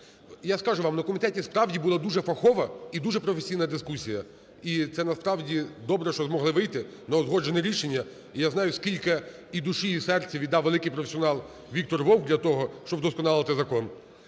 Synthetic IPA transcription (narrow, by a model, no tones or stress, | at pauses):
jaskɑʒʊʋɑmnɐkɔmʲit̪ɛtʲispɾɑwdʲibulˠad̪uʒɛfɐxɔʋɐid̪uʒɛpɾɔfesʲijnɐd̪ɪskusʲijɐ | it̪sɛnɐspɾɑwdʲid̪ɔbɾɛʃt͡ʃɔzmɔɦlˠɪʋɪjt̪ɪ | nɐɔzɦɔd͡ʒenɛɾʲiʃenʲːɐ | ijaznɑjʊskʲilʲkɪ | id̪uʃijisɛrt͡sʲɐʋʲid̪ːɑwʋelˠɪkɪjpɾɔfesʲiɔnɑlˠ | ʋʲik̚t̪ɔrʋɔwɡ̚d̪lʲɐt̪ɔɦɔʃt͡ʃɔbd̪ɔskɔnɑlˠɪt̪ɪzɐkɔn